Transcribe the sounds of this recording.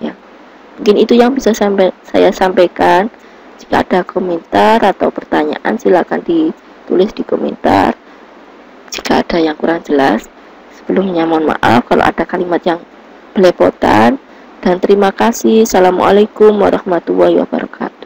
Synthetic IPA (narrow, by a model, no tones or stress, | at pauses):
ja | muŋkɪnit̪ujaŋbisasampasa̰jasampejkan | d͡ʒi̥ka̰ːd̥akomɛnt̪arat̪awpərt̪aɲa̰ʔa̰nsilakandi | t̪ulɪsd̥ikomɛ̰nt̪a̰r | d͡ʒikaːd̥ajaŋkuɾaŋd͡ʒəla̰sː | ə̥b̥əlʊmɲamanma̰ʔa̰fkalo̰ʔa̰d̥akalimat̪̚jaŋ | b̥əlɛpo̰t̪a̰n | d̥ant̪əɾimakasɪhsalamuʔa̰lakʊmwaɾɑhmat̪uahiwa̰ba̰ɾɔ̰ka̰t̪u̥